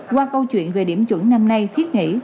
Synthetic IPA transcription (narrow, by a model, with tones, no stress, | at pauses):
kwaː˧kə˧wt͡ɕwḭ˧˨ənve˨˩ɗi˧˩əmt͡ɕwə̰˧˦ŋna˧mna˧jt̪ʰi˦˥ət̚ŋḭ˧˥